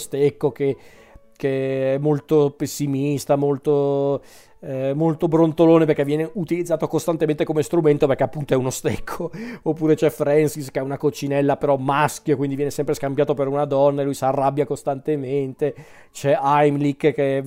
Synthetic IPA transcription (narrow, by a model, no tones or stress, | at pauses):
st̪ekːoke | keɛmːolt̪opesːimist̪amolt̪o | molt̪obɾont̪oloːneperkɛvjɛːneut̪ilid̪zːaːt̪okost̪ant̪ement̪ekomest̪ɾument̪operkeapːunt̪oɛunost̪ekʰːoopːuːɾet͡ʃɛfɾɛnsiskeɛunakot͡ʃinɛlːapeɾɔmːask̟jokwind̪ivjɛnesɛmpɾeskambjaːt̪opeɾunad̪ɔnːaelujsarːabːjakost̪ant̪ement̪e | t͡ʃɛajmlikːke